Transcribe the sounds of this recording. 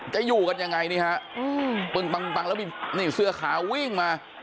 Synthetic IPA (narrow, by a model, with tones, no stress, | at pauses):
t͡ɕa˨˩juː˨˩ka˧nja˧ŋːa˧jniː˧˩ha˦˥ʔʔɯː˧pɯ˧ŋk͡pa˧ŋ˧k͡pa˧ŋlɛː˦˥˩miː˧niː˧˩sɯ˧ɐkʰaː˩˦wi˥˩ŋmaː˧